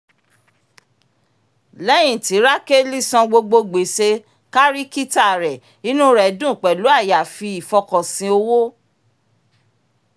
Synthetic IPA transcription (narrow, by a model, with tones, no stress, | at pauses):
lɛ˦j̃ĩ˦˨ti˨˦ɾa˦ke˦li˦sɔ̃˧ɡ͡bo˧ɡ͡bo˧ɡ͡be˨se˧ | ka˦ɾi˦ki˦ta˦˨ɾɛ˨ | i˨˦nũ˦ɾɛ˨˦dũ˦˨k͡pɛ˨lu˨˦a˦˨ja˨fi˧i˨fɔ˧kɔ̃˨sĩ˧o˧wo˦